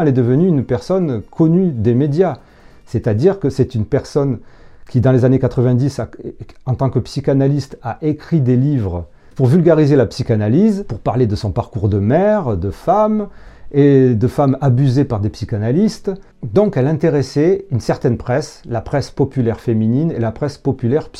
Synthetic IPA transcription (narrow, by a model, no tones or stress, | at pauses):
ɛlɛd̪əvənyːnpɛʁsɔnkʰɔnyd̪emed̪ja | sɛt̪ad̪iʁkəsɛt̪ynpɛʁsɔnkʲid̪ɑ̃lezanekat̪χəvɛ̃d̪isaɑ̃t̪ɑ̃kəpsikanalist̪aʔekχid̪elivʁə | puʁvylɡaʁizelapsikanalizpuʁpaʁled̪əsɔ̃paʁkuʁd̪əmɛʁd̪əfamed̪əfamabyzepaʁd̪epsikanalist̪ | d̪ɔ̃kɛlɛ̃t̪eʁesɛynsɛʁt̪ɛnpχɛslapχɛspɔpylɛʁfemininelapχɛspɔpylɛʁp